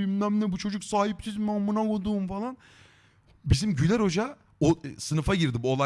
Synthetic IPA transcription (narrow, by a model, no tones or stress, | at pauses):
imlæmlɛbut͡ʃʰo̞d͡ʒuksaːɦip̚sizmamːunakod̪uːmfalˠan | bizimɟylʲæɾo̞d͡ʒa | osɯnɯfaɟiɾd̪ibolˠa